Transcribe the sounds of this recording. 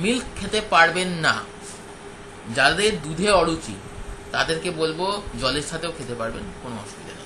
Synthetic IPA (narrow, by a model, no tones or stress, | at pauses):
milkkʰːet̪epaɾbenːa̰ | d͡ʑad̪eɾd̪ud̪ʱeɔɽut͡ɕḭ | t̪ad̪eɾkebolbod͡ʑɔleɾʃat̪eokʰet̪epaɾbḛnkonoɔ̰ʃpit̪a̰nḛ